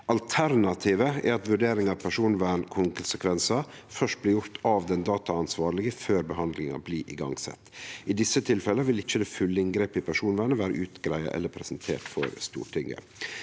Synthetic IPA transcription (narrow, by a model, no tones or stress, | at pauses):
ʔɑlt̪ʰæɾnɑt̪ʰiːʋəɛ̰ɾɑt̪ʋʉɖeːɾɪŋɑʋpʰæʂuːnʋæːɳkʰʊnsəkʰʋɛnsɑfœʂt̪̚blɪːjʊɾt̪ʰɑʋd̪ɛnd̪ɑːt̪ɑɑnsʋɑːɾɭɪɡəføːɾbəɦɑnd̪lɪŋɑ̰bliːʔɪ̰ɡɑ̰ŋsɛ̰t̪ːɪd̪ɪsːət̪ʰɪlfɛlːəʋɪlɪçːəd̪ɛːfʉlːəɪŋɡɾeːpɪpʰæʂuːnʋæːɳəʋæːɾə̰ʔʉːt̪ɡɾæɪɑ̰ʔɛ̰lːəpʰɾɛsənt̪ʰḛːʈfɔ̰ɾst̪ṵːʈʰɪŋə̰